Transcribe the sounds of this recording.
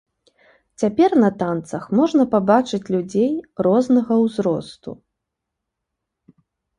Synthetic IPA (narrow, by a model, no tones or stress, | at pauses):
t͡sʲapʲɛrnɐt̪ant̪sɐxmɔʐnɐpabat͡ʂɨt͡sʲlʲud͡zʲejrɔznɐɣɐwzɾɔ̰st̪ṵ